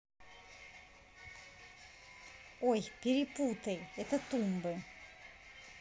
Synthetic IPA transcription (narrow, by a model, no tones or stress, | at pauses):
ojpiɾipuːt̪ʰejet̪ʰat̪umbə